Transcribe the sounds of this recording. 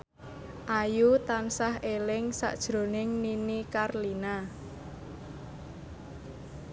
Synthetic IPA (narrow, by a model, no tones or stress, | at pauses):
ʔajut̪ansaɦelɪŋsa̰ʔd̥ʒ̥ɾo̤nɪŋninikarlina